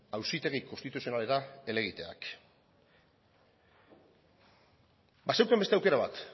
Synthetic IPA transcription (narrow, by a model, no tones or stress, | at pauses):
awsit̪e̞ɣikost̪it̪usio̞nale̞ɾae̞le̞ɣ̞it̪e̞a̰k | basewkembet̪eawke̞ɾaβ̞a̰t̪